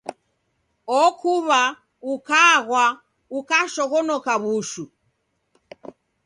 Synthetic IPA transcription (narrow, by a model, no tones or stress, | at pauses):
ɔkuβa | ukaɣwa | ukaʃɔɣɔnɔkaβuʃu